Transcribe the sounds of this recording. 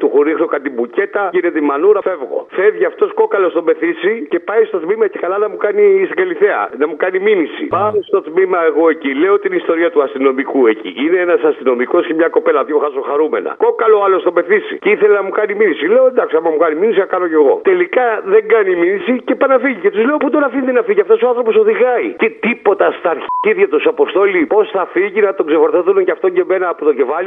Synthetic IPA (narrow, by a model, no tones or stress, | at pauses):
t̪uxuɾixlokɐnt̪ibuce̞t̪ɐine̞t̪eimɐnuɾɐfe̞vɣo̞̰fevʝiɐft̪o̞sko̞kɐlo̞st̪o̞me̞θisice̞pɐist̪o̞t̪mimɐcekɐlɐnɐmukɐnist̪iɡɐliθe̞ɐ̰nɐmukɐniminisḭpɐmest̪o̞t̪mimɐe̞ɣo̞e̞cile̞ot̪inist̪o̞ɾiɐt̪uɐst̪ino̞mikuecḭʔineenɐsɐst̪ino̞miko̞scemɲɐko̞pe̞lɐʝoxɐsoxɐɾume̞̰nɐ̰kokɐloɐlo̞st̪o̞me̞θisḭceiθelenɐmukɐniminisile̞oend̪ɐksiɐmɐmukɐniminisiɐkɐno̞ce̞ɣo̞̰t̪e̞likɐðe̞ŋɡɐniminisicepɐnɐfiʝice̞t̪uzle̞oput̪o̞nɐfind̪enɐfiʝiɐft̪osoɐnθɾo̞po̞so̞ðiɣɐit̪it̪ipo̞t̪ɐst̪ɐɾçi̥ciðʝɐt̪usɐpo̞st̪o̞lipo̞sθɐfiʝinɐt̪o̞ɡzefoɾθoθunecɐft̪o̞ɲɟe̞me̞nɐːpot̪o̞ce̞fɐli